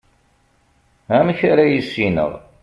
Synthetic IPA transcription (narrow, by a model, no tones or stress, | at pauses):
æmçaɾajisːinə̰ʁ